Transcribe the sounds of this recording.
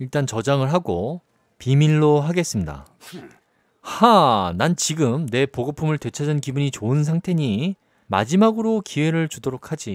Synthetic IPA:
iɭt͈ant͡ɕʌd͡ʑaŋɯɭɦaɡo | piminːoɦaɡe̞s͈ɯmɲida̰ | hanant͡ɕiɡɯmne̞poɡopʰumɯɭtwe̞t͡ɕʰad͡ʑɯnkibuɲit͡ɕoɯns̬ʰaŋtʰe̞ɲi | ma̰d͡ʑimaɡɯɾokʰiwe̞ɾɯɭt͡ɕudoɾok̚ʰad͡ʑi

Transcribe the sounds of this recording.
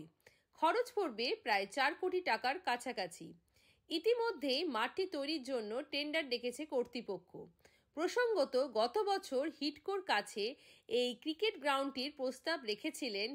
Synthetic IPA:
kʰɔɾot͡ɕpoɾbepɾaet͡ɕaɾkoʈiʈakaɾkat͡ɕʰakat͡ɕʰḭ | it̪imod̪ʱːejmaʈːit̪ojɾiɾd͡ʑonːoʈeɳɖaɾd̪ekʰet͡ɕʰekoɾt̪ɾipokʰːo̰ | pɾoʃoŋɡot̪oɡɔt̪obɔt͡ɕʰoɾhiʈkoɾkat͡ɕʰeejkɾikeʈɡɾawɳʈiɾpɾost̪abɾekʰet͡ɕʰilen

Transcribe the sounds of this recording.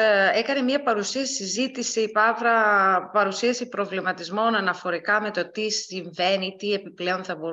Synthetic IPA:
e̞kɐnemɲiɐpɐɾusiɐsi̥sizit̪isipɐvɾɐpɐɾusiɐsipɾo̞vlimɐt̪izmo̞nɐnɐfo̞ɾikɐme̞t̪o̞t̪isiɱve̞nit̪ie̞piple̞o̞nθɐbo̞

